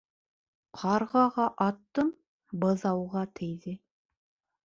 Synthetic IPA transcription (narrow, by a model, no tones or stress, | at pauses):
qʰɑɾʁɑʁɑʔɑt̪ːɤm | bɤ̆ðɑwʁɑt̪ʰɘ̆jðɘ